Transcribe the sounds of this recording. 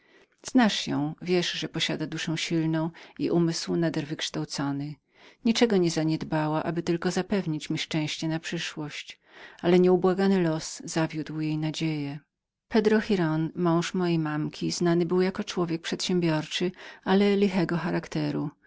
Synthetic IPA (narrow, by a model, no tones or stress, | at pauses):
z̥naʂjɔ̰̃w̃vʲjɛʂʐɛpɔɕad̪ad̪uʂɛ̃w̃ɕilnɔ̃w̃iʔumɘswnad̪ɛɾvɘkʂt̪awt̪sɔnɘ | ɲit͡ʂɛɡɔɲɛzaɲɛd̪bawaʔabɘt̪ɘlkɔzapɛvɲit͡ɕmʲiʂt͡ʂɛ̃w̃ɕt͡ɕɛnapʂɘʂwɔɕt͡ɕ | alɛɲɛubwaɡanɘlɔszavʲjud̪wjejnad͡ʑejɛ | pɛd̪ɾɔxʲiɾɔnmɔ̃w̃ʂmɔjejmamkʲiznanɘbɘwjakɔt͡ʂwɔvʲjɛk̚pʂɛt̪ɕɛ̃mbʲjɔɾt͡ʂɘalɛlʲixɛɡɔxaɾakt̪ɛɾu